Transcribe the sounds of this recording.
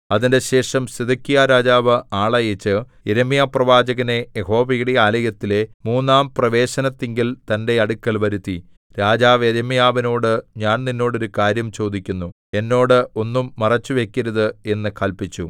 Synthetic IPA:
ɐðinde̞ɕe̞ːʂɐmsed̪ɐkːijaɾaːd͡ʑaːʋɨaːɭɐjɐt͡ɕːɨ | eɾemijaːprɐʋaːd͡ʑɐɣɐne̞jeɦo̞ːʋɐjuɽeaːlɐjɐt̪ːile̞muːnːaːmprɐʋe̞ːɕɐnɐt̪ːeŋɡilt̪ɐnde̞ɐɽukːɐlʋɐɾut̪ːi | ɾaːd͡ʑaːʋeɾɐmijaːʋino̞ːɽɨɲaːnninːo̞ːɽoɾukaːɾjɐmt͡ɕo̞ːd̪ikʲːunːu | e̞nːo̞ːɽɨo̞nːumːɐrɐt͡ɕːuʋe̞kʲːɐɾɐðɨe̞nːɨkɐlpit͡ɕːṵ

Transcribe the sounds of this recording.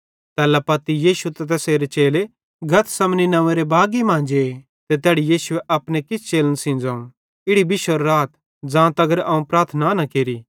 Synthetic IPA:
t̪ɛːlapɐt̪ijiːʃut̪et̪ɐseːɾet͡ʃeːle | ɡʱɐt̪ʰsɐmninɐʋẽɾebaːɡimãːnd͡ʒe | t̪et̪ɛːɽijiːsʊeʔɐpɽekɪsʰt͡ʃeːlənsĩːnd͡zaːũ | ɪɽibɪʃwəɾːaːt̪ | d͡zãːt̪ɐɡəɾɐũpɾaːɾt̪ʰənanɐkeːɾi

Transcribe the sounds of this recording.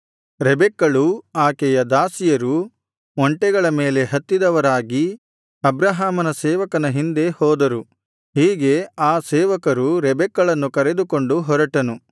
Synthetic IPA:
ɾɛbɛkːɐɭuaːkɛjɐd̪aːsijɐɾu | ɔɳʈɛɡɐɭɐme̞ːle̞ɦɐt̪ːid̪ɐʋɐɾaːɡi | ɐbɾɐɦaːmɐnɐsɛːʋɐkɐnɐɦind̪e̞hɔːd̪ɐɾu | hiːɡe̞aːsɛːʋɐkɐɾuɾɛbɛkːɐɭɐnːukɐɾe̞d̪uko̞ɳɖuɦɔɾɐʈɐnu

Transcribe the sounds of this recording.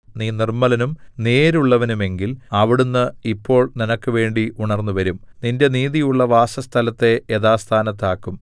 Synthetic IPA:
niːnirmɐlɐnumne̞ːɾuɭːɐʋɐnume̞ŋɡilɐʋiɽunːɨipːo̞ːɭninɐkːɨʋe̞ːɳɖiʔuɳɐrnːuʋɐɾum | ninde̞niːðijuɭːɐʋaːsɐst̪ʰɐlɐt̪ːe̞eðaːst̪ʰaːnɐt̪̬ːaːkːum

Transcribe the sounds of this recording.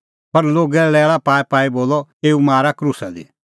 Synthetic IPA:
pɐɾloːɡɛlɛːɭapaːɛpaːiboːlɔeːumaːɾakɾusad̪ḭ

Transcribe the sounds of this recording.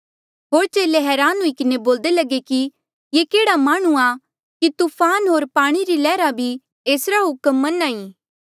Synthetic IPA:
ɦoːɾt͡ʃeːleɦɛːɾaːnũikɪneboːld̪elɐɡeki | jeːkeːɽamaːɽ̃ũa | kit̪uːpʰaːnɦoːɾpaːɽ̃iɾilɛːɾabʱi | eːsɾaɦʊkəmːɐnaːiː

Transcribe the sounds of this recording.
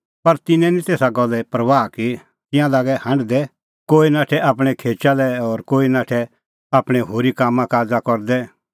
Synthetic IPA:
pɐɾt̪ɪnɛ̃nĩt̪eːsaɡɔlɛpɾɐʋaːki | t̪ɪ̃jãlaːɡɛhɐ̃ɳɖd̪ɛ | koːinaːʈʰɛʔaːpɽ̃ɛkʰeːt͡ʃalɛɔːɾkoːinaːʈʰɛ | aːpɽ̃ɛɦoːɾikaːmːãkaːd͡zakɔɾd̪ɛ

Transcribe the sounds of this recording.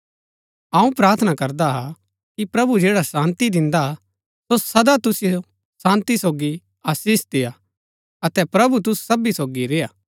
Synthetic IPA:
ɐũpɾaːɾt̪ʰənakɐɾd̪aɦa | kipɾɐbud͡ʒeːɽasãːnt̪id̪ɪ̃nd̪a | sosɐd̪at̪ʊsɪjo | sãːnt̪isoːɡi | aːsiːsd̪ɪja | ɐt̪ɛpɾɐbut̪̬ʊssɐbisoːɡiɾejaː

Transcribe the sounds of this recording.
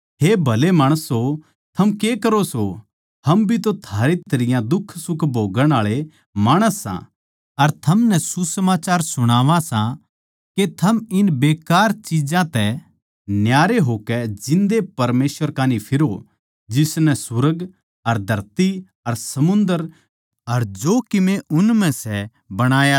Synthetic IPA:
ɦeːbʱɐlemaːɽ̃əsɦo | t̪ʰɐmkeːkɐɾoso | hɐmbʱit̪̬ot̪ʰaːɾet̪ɐɾɪjãd̪ʊkʰːsʊkʰbʱoːɡəɽ̃aːɭe | maːɽ̃əsːã̰ | ɐɾt̪ʰɐmnɛ̃susɐmaːt͡ʃaːɾsʊɽ̃aːʋãsã | ket̪ʰɐmɪnbeːkaːɾt͡ʃid͡ʒãt̪ɛ | njaːɾeɦoːkɛd͡ʒɪ̃nd̪epɐɾmeːsʋəɾkaːnipʰɪɾo | d͡ʒɪsnɛsʊɾəɡ | ɐɾd̪ʱɐɾt̪i | ɐɾsɐmʊ̃nd̪əɾ | ɐɾd͡ʒoːkɪmẽʔʊnmɛ̃sɛ | bɐɽ̃aːja

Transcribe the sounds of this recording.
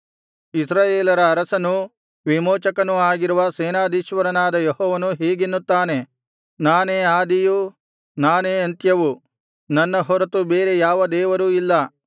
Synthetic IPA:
isɾaːjeːlɐɾɐːɾɐsɐnu | ʋimɔːt͡ʃɐkɐnuaːɡiɾuʋɐsɛːnaːd̪iːʃʋɐɾɐnaːd̪ɐjehɔːʋɐnuɦeːɡinːut̪ːaːne̞ | naːneːaːd̪iju | naːneːɐnt̪jɐʋu | nɐnːɐɦɔɾɐt̪ubeːɾe̞jaːʋɐd̪ɛːʋɐɾuːilːɐ

